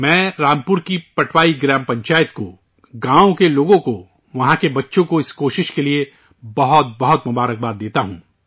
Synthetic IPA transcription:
mɛ̃ːɾaːmpʊɾkipɐʈʰʋaːiɡɾɛːmpɐ̃ɲt͡ʃaːjət̪ko̰ | ɡãːõkeloːɡõko | ʋɐɦãkebɐtːʃõkoɪskoːʃɪʃkelie | bɐɦɔt̪̚bɐɦɔt̪mʊbaːɾək̚baːɾd̪eːt̪aɦũː

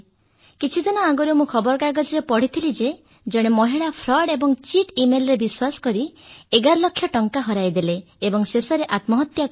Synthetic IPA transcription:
kit͡ʃʰid̪ɔnaaɡoɾumũkʰɔbɔɾɡaɡɔd͡ʒɔɾepɔɽ̤it̪ʰilid͡ʒe | d͡ʒɔɽ̃emɔɦiɭapʰɾɔɖebɔŋt͡ʃiʈimelɔɾebiswasɔ̥kɔɾieɡaɾlɔkʰjɔʈɔŋkaɦɔɾajd̪ileː | bɔŋsesɔɾeʔat̪mɔɦɔt̪ja

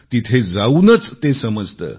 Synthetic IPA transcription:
t̪it̪ʰed͡zaunət͡st̪esəməd͡zʱt̪ə̰ː

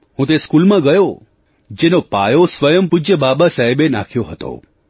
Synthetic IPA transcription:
ɦũt̪̬eskulmãɡəjo | d͡ʒenopa̰josʋəjəmpud͡ʒjəbabasaɦibena̰kʰjoɦət̪o̰

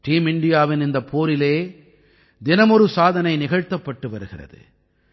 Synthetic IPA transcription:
ʈiːmɪɳɖɪjaːʋɪnɪnd̪ɐpʰːoːɾɪleː | d̪ɪnɐmɔɾɯsaːðɐnɐɪnɪɣɐɻt̪ːɐpːɐʈːɯʋɐɾɯɣɪrɐ̰ðɯ̰

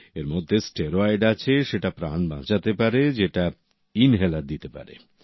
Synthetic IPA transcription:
eɾmod̪ʱːesʈeɾoajɖat͡ɕʰeʃeʈapɾanbã̰t͡ɕat̪epaɾed͡ʑeʈa | inɦelad̪it̪epa̰ɾḛ

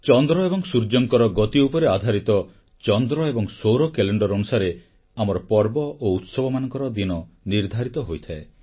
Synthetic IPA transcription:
t͡ʃɔnd̪ɾɔebɔŋsuɾd͡ʒɔŋkɔɾɔɡɔt̪iupɔɾead̪ʱaɾit̪ɔ | t͡ʃɔnd̪ɾɔebɔŋsowɾɔkeleɳɖɔɾɔnusaɾe | amɔɾɔpɔɾbɔʔout̪sɔbɔmanɔŋkɔɾɔd̪inɔ | niɾd̪ʱaɾit̪ɔɦojt̪ʰae

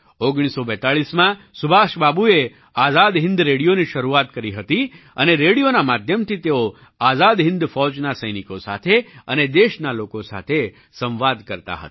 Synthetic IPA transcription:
oɡɽ̃isobɛt̪aɭismã | sʊbʱaʃbabue | azad̪ɦɪ̃nd̪ɾeɽijoniʃəɾuat̪kəɾiɦət̪i | əneɾeɽijonamad̪ʱjəmt̪ʰit̪eo | azad̪ɦɪ̃nd̪fɔt͡ʃnasəjnikosa̰t̪ʰeəned̪eʃnalokosa̰t̪ʰe | sə̃ʋʋad̪kəɾt̪a̰ɦə̰t̪

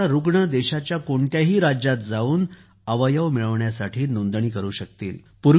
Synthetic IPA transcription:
aɾuɡɳəd̪ɛɕat͡ɕjakoɳt̪jaɦiːɾad͡ʑat̪̚d͡zauːn | əʋəjəʋmiɭəʋɳjasaʈʰiːnond̪ɳ̃iːkəɾuːɕək̚t̪ḭːl | puɾ

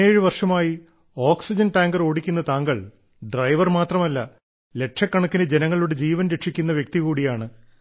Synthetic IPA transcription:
eːɻɨʋɐrʂɐmaːji | o̞ːksid͡ʑɐnʈaːŋɡɐro̞ːɽikʲːun̪ːɐt̪aːŋɡɐɭ | ɖrɐjʋɐrmaːt̪rɐmɐlːɐ | le̞ʈʂɐkːɐɳɐkːinɨd͡ʑe̞nɐŋːɐɭuɽe̞d͡ʑiːʋɐnɾeʈʂikʲːunːɐʋjek̚t̪ikuːɽijaːɳɨ

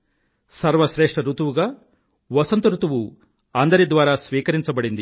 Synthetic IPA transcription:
sɐɾʋɐʃɾeːʂʈɐɾut̪uʋuɡaː | ʋɐsɐnt̪ɐɾut̪uʋu | ɐnd̪ɐɾid̪ʋaːɾaːsʋiːkɐɾiɲt͡ʃɐbɐɽind̪i

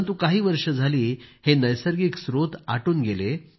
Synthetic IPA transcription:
nt̪ukaɦiːʋəɾʂəd͡zʱaliːhenəjsəɾɡiksɾot̪aʈuːnɡele

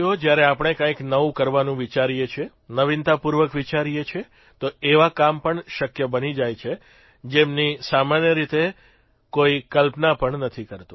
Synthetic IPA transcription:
od͡ʒjaɾeapəɳ̃ekə̃ĩknəʋũkəɾʋanũʋit͡ʃaɾijet͡ʃʰe | nəʋint̪apuɾʋəkʋit͡ʃaɾijet͡ʃʰe | t̪oeʋakampəɳʃəkjəbənid͡ʒajt͡ʃʰe | d͡ʒemnisamanjəɾit̪e | koikəlpnapəɳnət̪ʰikəɾt̪ũ

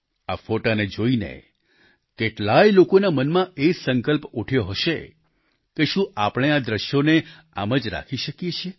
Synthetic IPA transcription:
afoʈaned͡ʒoinḛ | keʈlajlokonamənmãʔesəŋkəlpuʈʰjoɦəʃḛ | keʃũʔapɽ̃ead̪ɾəʃjone | a̰məd͡ʒɾa̰kʰiʃəkjet͡ʃʰe

